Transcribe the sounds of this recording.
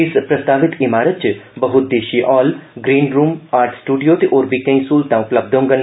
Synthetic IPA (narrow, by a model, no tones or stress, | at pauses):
ɪspɾɐst̪aːʋɪt̪imaːɾət̪̚t͡ʃɨbɐɦʊt̪̚d̪eːʃiːʔɔːlɡɾiːnɾuːmaːɾʈʰsʈuːɖijoːt̪iʔoːɾbikɐ̃ĩsuːlt̪ãʊpləb̚d̪ʱõːŋɡɐn